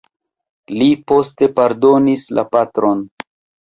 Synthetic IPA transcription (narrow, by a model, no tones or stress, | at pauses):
lipo̞ste̞paɾdo̞nislʔa̰patɾo̞n